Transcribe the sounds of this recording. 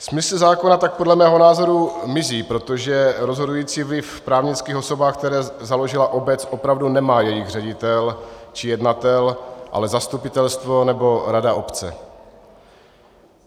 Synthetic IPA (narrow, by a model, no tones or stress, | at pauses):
smɪsl̩zaːkonat̪ak̚po̞dlɛmɛːɦo̞naːzo̞ɾumɪziːpɾo̞t̪o̞ʒɛɾo̞zɦo̞dujiːt͡siːvlɪfpɾaːvɲɪt͡skiːxo̞so̞baːxk̚t̪ɛɾɛːzalo̞ʒɪlaʔo̞bɛt͡sʔo̞pɾavdunɛmaːjɛjɪɣr̝ɛɟɪt̪ɛlt͡ʃɪjɛdnat̪ɛlʔa̰lɛzast̪upɪt̪ɛlst̪vo̞nɛbo̞ɾadaʔo̞pt͡sɛ̰